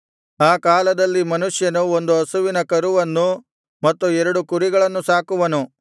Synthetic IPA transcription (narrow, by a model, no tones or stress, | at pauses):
aːkaːlɐd̪ɐlːimɐnuʂjɐnuo̞nd̪uɦɐsuʋinɐkɐɾuʋɐnːu | mɐt̪ːuɛɾɐɽukuɾiɡɐɭɐnːusaːkuʋɐnu